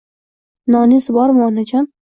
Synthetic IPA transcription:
nɒnizbɒɾmɒnad͡ʒɒn

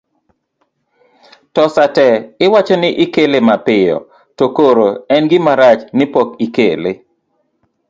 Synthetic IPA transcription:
tɔsatɛɪwat͡ʃɔnɪʔɪkelemapɪjɔ̰ | tokoɾoɛnɡɪmaɾat͡ʃnɪpɔkikḛle

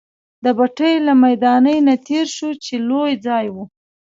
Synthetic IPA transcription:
d̪əbaʈəjlamajd̪ɑnəjnat̪ʰeɾʃut͡ʃelojd͡zɑjwu

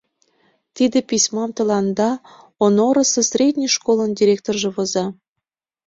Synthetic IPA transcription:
t̪id̪episʲmɑmt̪ɤ̆lɑnd̪ɑ | onoɾə̆səsrʲed̪ʲnʲiʃkolˠəndʲiɾʲekt̪orʒĕβozɑ

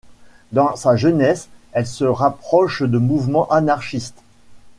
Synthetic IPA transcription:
d̪ɑ̃saʒənɛsɛlsəʁapχɔʃd̪əmuvmɑ̃ʔanaʁʃist̪

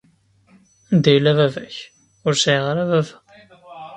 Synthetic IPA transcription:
nd̪æjlævævæç | ʊɾsiʁaɾævævæ

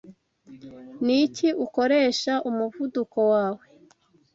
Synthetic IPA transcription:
niciuko̞ɾe̞ːʃaʔumuvudukowaːwe̞

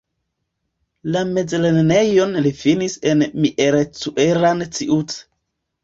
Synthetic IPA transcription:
lame̞d͡zlenne̞jo̞nlifinise̞nmiʔeɾet͡suʔeɾant͡siʔut͡s

